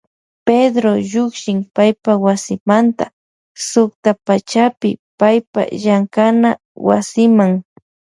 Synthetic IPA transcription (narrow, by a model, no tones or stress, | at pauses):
ped̪ɾojʊkʃɪŋpajpawasɪmant̪a | sʊkt̪apat͡ʃapɪ̰pajpa̰ʒaŋkana | wa̰sɪmaŋ